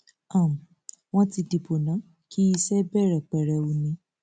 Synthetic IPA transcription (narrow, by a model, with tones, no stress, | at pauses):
a˦˨m̩˨ | w̃ɔ̃˦ti˧di˨po˨nã˨˦ | ki˦i˧sɛ˦bɛ˦˨ɾɛ˨k͡pɛ˨ɾɛ˨˧o˨˧nĩ˧˦